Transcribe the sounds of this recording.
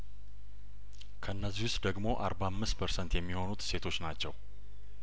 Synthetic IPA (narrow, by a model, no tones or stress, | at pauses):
kʰəɨnːəzːihwʊst̪d̪əɡmo̞ʔa̰ɾbamːɨst̪pʰəɾsənt̪jɛmːiho̞nut̪se̞t̪ʰo̞t͡ʃːnat͡ʃːɛw